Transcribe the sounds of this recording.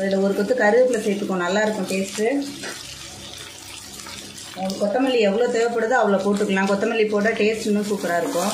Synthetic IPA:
ɪlɐɔɾɯkɔt̪ːɯkɐɾɯðɯpːɪlɐsɛːʈːɯkːõnɐlːaːɪɾɯkːʊ̃peːsʈɯ | ɐɯkɔt̪ːɐmɐlːiɛʋːɐɭoːt̪ɔjʋɐpːɐɽɐðɯɐʋɐɭopoːʈ̬ːɯkːɐlãːkɔt̪ːɐmɐlːipoːʈaːʈeːsʈnːɯ̃suːpɪɾaːɪɾɯkːʊ̃

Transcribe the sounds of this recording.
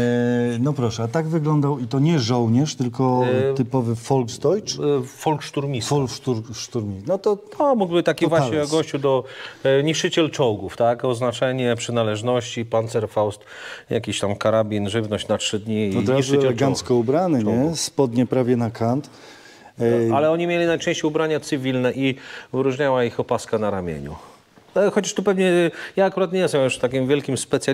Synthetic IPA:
nɔpɾɔʂɛat̪aɡvɘɡlɔnd̪awit̪ɔɲɛʐɔwɲɛʂt̪ɘlkɔt̪ɘpɔvɘfɔlɡsd̪ɔjt͡ʂfɔlkʂt̪uɾmʲiɔlʂt̪uɾʂt̪uɾmʲinɔt̪ɔt̪ɔmuɡbɘt̪akʲivwaɕɲɛɔɡɔɕt͡ɕud̪ɔɲiʂɘt͡ɕɛlt͡ʂɔwɡuft̪akɔznat͡ʂɛɲɛpʂɘnalɛʐnɔɕt͡ɕipant̪sɛɾfawst̪ | ja̰kʲiɕt̪amkaɾabʲinʐɘvnɔɕt͡ɕnatʂɘd̪ɲiːɔɾiʂɛɛlɛɡant̪skɔubɾanɘɲɛspɔd̪ɲɛpɾavʲjɛnakʰant̪ | alɛɔɲimʲjelʲinajt͡ʂɛ̃ɕt͡ɕejubɾaɲat̪sɨvʲilnɛʔivɘɾuʐɲawaixɔpaskanaɾamʲjḛɲṵ | xɔt͡ɕaʂt̪upɛvɲɛjaːkuɾat̪̬ɲejɛst̪ɛmjuʂt̪akʲimvʲjɛlkʲimspɛt̪sʲja

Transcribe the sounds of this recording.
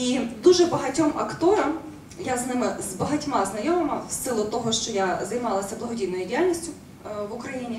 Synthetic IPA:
id̪uʒɛbɐɦɐtʲɔmɐkt̪ɔɾɐm | jaznɪmɪzbɐɦɐtʲmɑznɐjɔmɐmɐwsɪlˠʊt̪ɔɦɔʃt͡ʃɔjazɐjmɑlˠɐsʲɐblˠɐɦɔdʲijnɔjʊdʲijalʲnʲisʲtʲʊ | ʋʊkɾɐjinʲi

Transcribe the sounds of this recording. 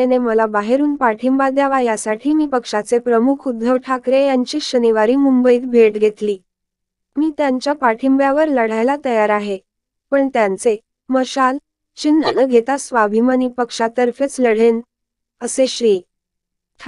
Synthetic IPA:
eneməlabaɦeɾuːnpaʈʰimbad̪jaʋajasaʈʰiːmiːpəkʂat͡sepɾəmukʰud̪ʱːəʋʈʰakɾejaɲt͡ɕiːɕəniʋaɾiːmumbəiːt̪̚bʱeʈɡʱet̪liː | miːt̪jaɲt͡ɕjapaʈʰimbjaʋəɾləɽ̤ajlat̪əjaɾaɦe | pəɳt̪jant͡se | məɕal | t͡ɕinːənəɡʱet̪asʋabʱimaniːpəkʂat̪əɾfet͡sləɽ̤en | əseɕɾiː

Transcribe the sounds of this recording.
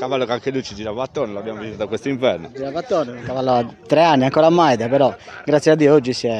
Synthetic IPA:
kavalːokaŋkelujt͡ʃid͡ʒiɾavat̪ːoːneloabːjamovisit̪at̪akːwest̪oiɱvɛrnod͡ʒiɾavat̪ːoːnɛkavalːoat̪ːɾeanːiaŋkɔːɾamajd̪ɛpɛɾɔɡɾat̪sjɛad̪ːiood͡ʒːisjɛ

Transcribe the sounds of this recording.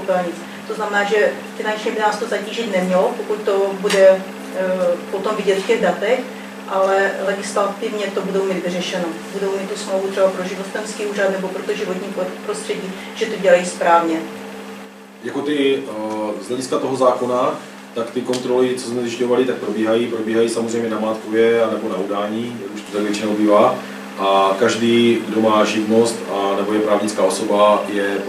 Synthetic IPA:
pɛlaɲɪt͡s | t̪o̞znamɛnaːʒɛ | fɪnant͡ʃɲɛbɪnaːst̪ozaciːʒɪt̪nɛmɲɛlopokut̪̚t̪o̞budɛ | pot̪o̞mvɪɟɛt̪fcɛɣdat̪ɛx | ʔalɛlɛɡɪslat̪ɪvɲɛt̪o̞budo̞wmiːd̪vɪrɛʃɛnobudowmiːt̪t̪ːusmlowvut̪r̝̥ɛbapɾoʒɪvot̪ɛmskiːuːrat̪nɛbo̞pɾot̪oʒɪvo̞t̪ɲiːpɾost̪r̥ɛɟiː | ʒ̥ɛt̪oɟɛlajispɾaːvɲɛ | jako̞t̪ɪ | zlɛɟɪskat̪o̞ɦozaːko̞na | t̪akt̪ɪkont̪ɾo̞lɪt͡sozmɛzɪʃcovalɪt̪ak̚pɾo̞biːɦajipɾo̞biːɦajiːsamozrɛjmɲɛnamaːt̪kovjɛanɛbo̞naudaːɲiːjakuʃt̪o̥t̪aɡvjɛt͡ʃɪnowbivaː | ʔakaʒdiːɡdo̞maːʒɪvnost̪anɛbojɛpɾaːvɲɪt͡skaːo̞so̞bajɛ

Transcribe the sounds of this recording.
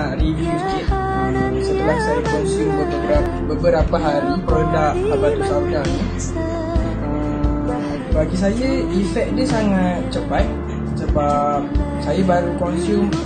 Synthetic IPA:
aʔɾiviwikɪt̪̚ | ə | sət̪əlahsajakɔnsumbəbəbəɾabəbəɾapaɦaɾipɾodak̚pabat̪usap̚dani | ə | m | baɡisajaifɛk̚diəsaŋat̪̚t͡ʃəpat̪̚ | səbap | sajabaɾukɔnsum

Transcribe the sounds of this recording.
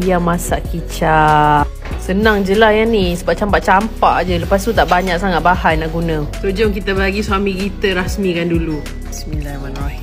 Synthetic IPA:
ijamasaʔkit͡ʃa | sənãŋd͡ʒəlajanisəbaʔ̚t͡ʃampaʔt͡ʃampaʔd͡ʒələpas̬t̪ut̪aʔbaɲak̚saŋat̪̚bahajnaʔɡunə̃t̪od͡ʒɔŋkit̪abaɡiswamĩkit̪əɾasmĩkandulu | ismilamanrahi

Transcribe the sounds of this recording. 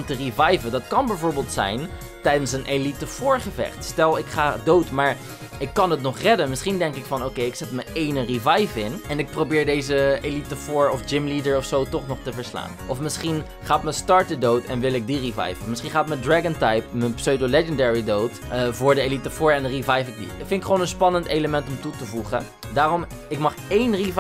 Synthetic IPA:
mtərivɑjvədɑtkɑnbɛjvʊːɹbɪːlˠtsɛ̰jn | tɛjdənsənʔelitəv̥ʊːɹχəvɛ̰χtstɛlˠɪkχaːdowtmaːɹ | ʔɪkːɑnətnɔχrɛdənmɪsχindɛŋkɪkfɑnowkejɪksɛtməʔejnərivɑjvɪnɛnɪk̚prowbɪːɹdejzəelitəvʊːɹɔfd͡ʒɪmlidəɹɔfsowtɔχnɔχtəvəɹsla̰ːnʔɔfmɪsχin | χaːətməstɑɹt̚dədowtɛnʋɪlɪk̚dirivɑ̰jvəmɪsχinχaːətmədraɡəntɑjpməpsøwdolɛd͡ʒəndɛɹidowtəvʊːɹdəelitəfʊːɹɛndərivajfɪk̚dḭfɪnɪkχʋoːnənspɑnənteləmɛntɔmtutəvuχə | daːrɔm | ɪkmɑχejnriv

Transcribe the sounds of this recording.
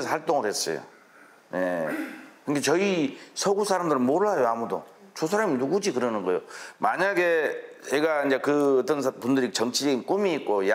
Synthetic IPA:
esʰʌhaɭt͈oŋɯɭhe̞s͈ʌ̰jo̰ | je̞̰kɯndɡet͡ɕʌisʰʌɡusʰaɾamdɯɾɯnmoɾɯɭajoamudo̰ | t͡ɕos̬ʰaɾaminuɡud͡ʑikɯɾʌnɯnɡʌjomaɲaɡe̞t͡ɕeɡaind͡ʑe̞kɯʌt͈ʌnpundɯɾit͡ɕʌŋt͡ɕʰid͡ʑʌɡink͈umiːt̚k͈oja

